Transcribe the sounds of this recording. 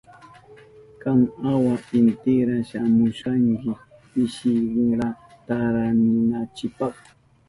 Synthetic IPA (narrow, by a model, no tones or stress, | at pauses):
kaŋawapɪnt̪ɪɾaʃamʊʃaŋkɪ | ɪʃɪɾɾat̪aɾanʊnat͡ʃɪpɑχ